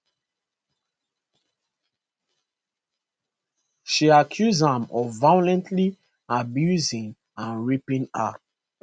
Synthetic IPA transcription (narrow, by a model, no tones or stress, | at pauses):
ʃiakʰjuzə̃mɔvvajlɛ̃ntʰli | abjuzĩŋ | ãnɹipĩŋa